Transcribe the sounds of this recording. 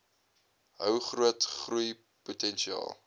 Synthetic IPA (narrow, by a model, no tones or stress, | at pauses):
ɦəwχruətχruj | putɛnʃiɑ̰ːlˠ